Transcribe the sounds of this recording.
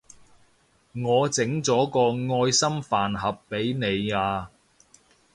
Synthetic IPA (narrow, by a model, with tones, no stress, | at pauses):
ŋɔː˨˧t͡sɪ˨˥ŋt͡sɔː˨˥kɔː˧ŋɔː˧jsɐ˥mfaː˨nɦɐ˨pːe˨˥jne˨˧jaː˧